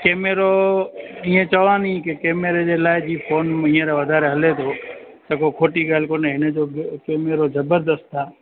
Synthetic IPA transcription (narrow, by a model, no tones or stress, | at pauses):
keːmeɾo | iːẽt͡ɕɐʋãːnĩkɪkeːmeɾed͡ʑeːlaːɪd͡ʑiːpʰoːnmiːẽɾaʋɐd̪ʱaːɾeɦɐlet̪ʰoː | t̪ɐkokʰoːʈiɡaːlkoːneɦɪnəd͡ʑoːkeːmeɾozɐbəɾd̪əst̪ʰaː